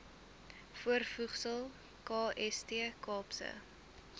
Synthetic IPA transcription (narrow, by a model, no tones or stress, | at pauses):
fuərfuχsəlˠ | kɑːʔɛstiəkɑːpsə̰